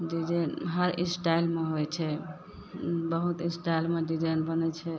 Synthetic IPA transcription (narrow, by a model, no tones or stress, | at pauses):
ɖid͡ʒanɦəɾisʈajlmeɦojt͡ʃʰɛ | bəɦut̪isʈajlmeɖid͡ʒajnbənɛt͡ʃʰɛ